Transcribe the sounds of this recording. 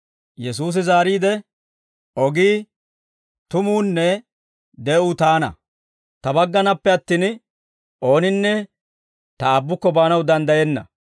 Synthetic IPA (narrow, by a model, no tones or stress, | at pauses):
jɛs̬uːs̬ɪzaːɾiːd̪ɛ | ʔɔɡiː | t̪ʊmuːnːɛ | d̪ɛʊt̪aːnɐ̰ | t̪ɐbɐɡːɐnɐpːɛɐt̪ːiːn | ʔo̞ːnɪnːɛ | t̪ɐːbːʊkːɔbaːnɐwd̪ɐnd̪ɐjɛnːɐ̰